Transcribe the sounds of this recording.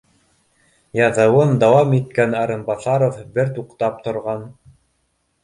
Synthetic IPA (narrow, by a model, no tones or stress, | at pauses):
jɑðɤ̆wɤnd̪ɑwɑmit̪̚kænɑɾɤ̆mbɑθɑɾofbɘɾt̪uqt̪ɑp̚t̪ŏɾʁɑn